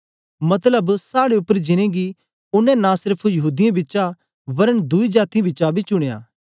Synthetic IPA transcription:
mɐt̪ləbsaːɽeʊpːəɾd͡ʒɪñẽɡi | ʊnːɛ̃nãsɪɾpʰujɐɦuːd̪ijãbɪːt͡ʃa | ʋɐɾənd̪ʊid͡ʒaːt̪iãbɪtːt͡ʃabʱit͡ʃʊɽ̃eja̰ː

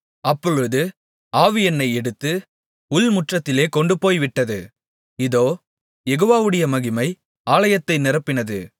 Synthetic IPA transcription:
ɐpːɔɻɯðɯ | aːʋɪjɐnːɐɪɛɽɯt̪ːɯ | ʊlmʊʈrɐt̪ːɪleːkɔɳɖɯpoːjʋɪʈːɐðɯ | ɪðoː | jɛɣoːʋaːʋɯɽɐjɐmɐɣɪmɐɪ | aːlɐjɐt̪ːɐɪnɪɾɐpːɪnɐðɯ

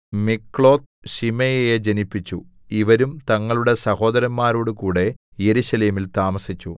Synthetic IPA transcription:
mikːɭo̞ːt̪ | ɕimɐjejed͡ʑenipːit͡ɕːu | iʋɐɾumt̪ɐŋːɐɭuɽe̞sɐho̞ːd̪ɐɾɐmːaːɾoːɽukuːɽe̞ | jeɾuɕɐleːmilt̪aːmɐsit͡ɕːu

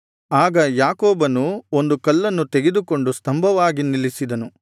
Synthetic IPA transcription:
aːɡɐjaːkɔːbɐnuo̞nd̪ukɐlːɐnːut̪eɡed̪uko̞ɳɖust̪ɐmbʱɐʋaːɡinilisid̪ɐnu

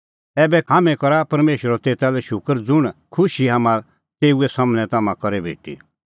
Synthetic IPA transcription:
ɛːbɛɦaːmɛ̃kɔɾapɐɾmeːʃəɾɔt̪eːt̪alɛʃʊkəɾd͡zʊɽ̃kʰʊʃiɦaːmã | t̪eːuɛsamñɛ̃t̪amãkɔɾɛbʱḛːʈḭ

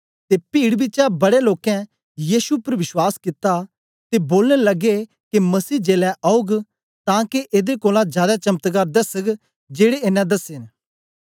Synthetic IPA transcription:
t̪eːpiːɽbɪt͡ʃabɐɽeloːkɛ̃ | jiːsupɐɾʋɪʃwaːskɪt̪a | t̪eboːlnelɐɡe | kemɐsiːd͡ʒeːlɛʔaːʊɡ | t̪ãːkeʔeːd̪ekoːlãd͡ʒjaːd̪at͡ʃɐmət̪ɡaːɾd̪ɐsəɡ | d͡ʒeːɽeeːnɛ̃d̪ɐsen

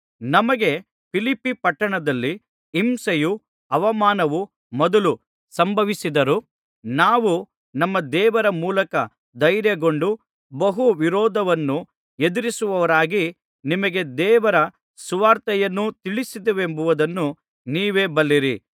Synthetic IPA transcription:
nɐmɐɡe̞ | pʰilipːipɐʈːɐɳɐd̪ɐlːiː | msɐju | ɐʋɐmaːnɐʋu | mɔd̪ɐlu | sɐmbʱɐʋisid̪ɐɾu | naːʋu | nɐmːɐd̪ɛːʋɐɾɐmuːlɐkɐ | d̪ɐjɾjɐɡo̞ɳɖu | bɐɦuʋiɾɔːd̪ʱɐʋɐnːu | e̞d̪iɾisuʋɐʋɐɾaːɡi | nimɐɡe̞d̪ɛːʋɐɾɐ | suʋaːɾt̪ɐjɐnːut̪iɭisid̪eʋe̞mbuʋud̪ɐnːu | niːʋeːbɐlːiɾi

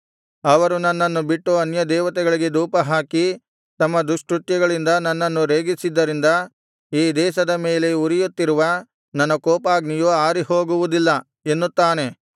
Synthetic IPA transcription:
ɐʋɐɾunɐnːɐnːubiʈːuɐnjɐd̪ɛːʋɐt̪ɛɡɐɭiɡe̞d̪uːpɐɦaːki | t̪ɐmːɐd̪uʂʈɾut̪jɐɡɐɭind̪ɐnɐnːɐnːuɾeːɡisid̪ːɐɾind̪ɐ | iːd̪ɛːʃɐd̪ɐme̞ːle̞uɾijut̪ːiɾuʋɐ | nɐnːɐkɔːpaːɡnijuaːɾiho̞ːɡuʋud̪ilːɐ | e̞nːut̪ːaːne̞

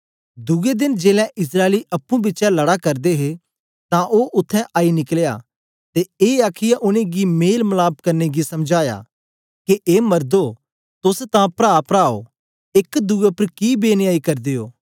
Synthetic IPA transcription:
d̪ʊɡed̪ɪnd͡ʒeːlɛ̃ʔɪs̬ɾaːeliʔɐpːũbɪːʃalɐɽakɐɾd̪eɦe | t̪ãʔoːʔʊt̪ʰːɛ̃ʔaːinɪklja̰ | t̪eeːaːkʰɪjaʔʊneɡimeːlmɐlaːb̚kɐɾneɡisɐmd͡ʒaːja̰ | keʔeːmɐɾd̪o | t̪ʊst̪ãpɾaːpɾaːo̰ | ɪkd̪ʊɡepɾkibeːnaːikɐɾd̪ejoː

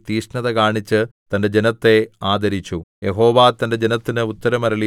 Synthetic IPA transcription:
t̪iːʂnɐðɐkaːɳit͡ɕːɨt̪ɐnde̞d͡ʑenɐt̪ːe̞aːd̪ɐɾit͡ɕːuje̞ɦo̞ːʋaːt̪ɐnde̞d͡ʑe̞nɐt̪ːinɨut̪ːɐɾɐmɐɾɐɭi

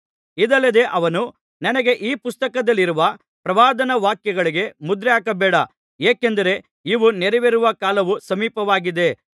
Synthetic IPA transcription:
id̪ɐlːɐd̪e̞ʔɐʋɐnu | nɐnɐɡe̞ʔiːpust̪ɐkɐd̪ɐlːiɾuʋɐ | pɾɐʋaːd̪ɐnɐʋaːkjɐɡɐɭiɡe̞mud̪ɾɛaːkɐbɛːɽɐ | eːkend̪ɐɾe̞ | iʋuneɾɛʋeɾuʋɐkaːlɐʋusɐmiːpɐʋaːɡid̪e̞

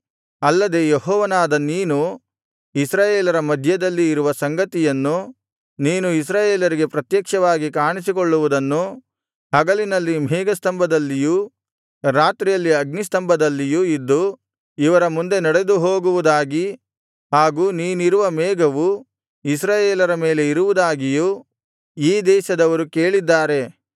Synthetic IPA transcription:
ɐlːɐd̪e̞ːjeɦɔːʋɐnaːd̪ɐniːnu | isɾaːjeːlɐɾɐmɐd̪ʱjɐd̪ɐlːiːɾuʋɐsɐŋɡɐt̪ijɐnːu | niːnuis̬ɾaːjeːlɐɾiɡe̞pɾɐt̪jɐkʂɐʋaːɡikaːɳisikoɭːuʋud̪ɐnːu | ɦɐɡɐlinɐlːimɛːɡɐst̪ɐmbʱɐd̪ɐlːiju | ɾaːt̪ɾijɐlːiɐɡnis̬t̪ɐmbʱɐd̪ɐlːijuid̪ːu | iʋɐɾɐmund̪e̞nɐɽe̞d̪uɦoːɡuʋud̪aːɡi | ɦaːɡuːniːniɾuʋɐmɛːɡɐʋu | is̬ɾaːjeːlɐɾɐmeːle̞iɾuʋud̪aːɡiju | iːd̪ɛːʃɐd̪ɐʋɐɾukeːɭid̪ːaːɾe̞

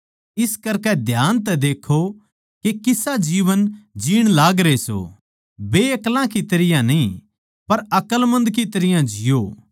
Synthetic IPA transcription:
ɪskɐɾkɛd̪ʱjaːnt̪ɛd̪eːkʰo | kekɪsad͡ʒiːʋənd͡ʒiːɽ̃laːɡɾeso̰ | beːɐklãkit̪ɐɾɪjãnɐĩ | pɐɾɐkəlmɐ̃nd̪kit̪ɐɾɪjãd͡ʒɪjoː

